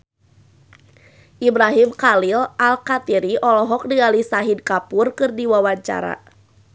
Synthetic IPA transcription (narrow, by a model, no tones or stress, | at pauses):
ʔibɾaɦimkalilalkat̪iɾiʔɔlɔɦɔk̚dialisaɦidkapurkɨrdiwawaɲt͡ʃa̰ɾa̰